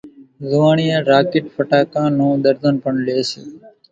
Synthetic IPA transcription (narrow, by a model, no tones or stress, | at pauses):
zuʋaːɳijaːɾaːkeʈpəʈaːkãːnũːd̪əɾd̪ənpəɳleːsḛ